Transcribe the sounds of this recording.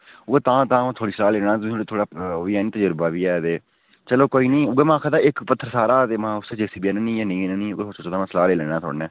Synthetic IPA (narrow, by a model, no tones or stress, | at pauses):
ʊɡeːt̪ãːt̪ãːt̪ʰoːɽiːsəlaːleːnaːt̪ieːt̪ʰoːɽaːʋiːɛːnĩːt̪əd͡ʒəɾbaːbiːɛːt̪eː | t͡ʃəloːkoːiːnĩːʊɡeːmãːkʰad̪aːɪkpət̪ʰːəɾsaːɾaːt̪eːmãːʊsed͡ʒesiːbiɛnẽːnĩːjaːnẽːnenĩːoɡeːot͡ʃot̪aːmãːsəlaːleːlɛːnaːt̪ʰo̰ːɽnɛ̃ː